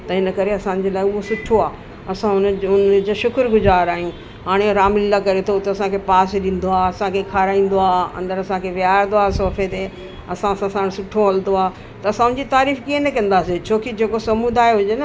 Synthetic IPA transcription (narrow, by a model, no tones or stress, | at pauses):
t̪ɐɦɪnə̆kɐɾeɐsãːnɪ̆d͡ʑelaːeʊɦosʊʈʰoaː | ɐsãɦʊnʊnd͡ʑoʃʊkɾɡʊzaːɾaːɦijũ | ɦaːɽ̃eɾaːmlɪlakɐɾet̪ʰot̪ɐɐsãkʰepaːsɗĩːn̆d̪oaːɐsãkʰekʰaːɾaːĩːn̆d̪oaːɐ̰̃nd̪əɾɐsãkʰeʋɪãːd̪oaːsoːfʰet̪e | ɐsãsãsãɽ̃sʊʈʰoɐld̪oaː | t̪ɐɐsãɦʊn̆d͡ʑit̪aːɾiːfkiẽnɐkɐ̃n̆d̪aːset͡ɕʰoːkid͡ʑeːkosɐmud̪aːeɦʊd͡ʑenɐ